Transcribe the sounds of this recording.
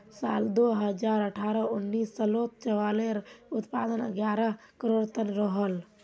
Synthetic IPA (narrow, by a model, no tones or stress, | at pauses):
saːld̪oɦəd͡ʒaːɾəʈʰaɾəunːiːsːəloːt̪̚t͡ʃəʋaleɾut̪pad̪ənə̰ɡjaːɾəɦ | kəɾoːɽt̪ənɾəɦəl